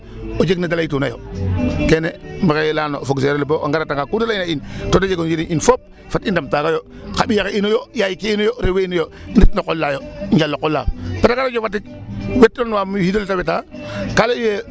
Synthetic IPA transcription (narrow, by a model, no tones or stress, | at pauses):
od͡ʒeknadalaitunajo̰kenemikelaːnofoɡseɾeliboʔa̰ŋɡaɾataŋɡakudalajnaintodad͡ʒeɡond͡ʒiɾiɲinfop̚ | fatindamtakajo | kabijakeinojojajikiinojoɾeweinojonitnokolːajoɲd͡ʒalːokolːa̰petakaɾod͡ʒofatːikwetːonwamhidoltabetakaleije